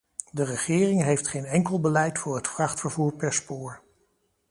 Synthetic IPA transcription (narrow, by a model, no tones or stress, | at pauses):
dərəχɪːrɪŋɦejftχejnɛŋkəlˠbəlɛjtfʊːɹɦətfrɑχtfəɹvuːɹpɛɹspʊːɹ